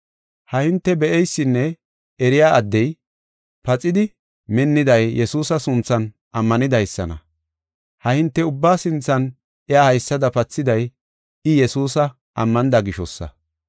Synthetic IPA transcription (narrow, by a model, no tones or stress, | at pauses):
hɐhɪnt̪ːɛbɛʔɛjsːɪnːɛ | ɛɾɪjaːʔɐd̪ːɛj | pɐt͡sʼɪd̪ɪ | mɛnːɪd̪ɐjjɛsuːsɐsʊnt͡sːɐn | ʔɐmːɐnɪd̪ɐjsːɐnɐ̰ | hɐhɪnt̪ːɛʊbːaːsɪnt͡sːɐn | ɪjaːhɐjsːɐd̪ɐpɐt͡sːɪd̪ɐj | ɪjɛsuːsɐ | ʔɐmːɐnɪd̪ɐɡɪʃɔsːɐ̰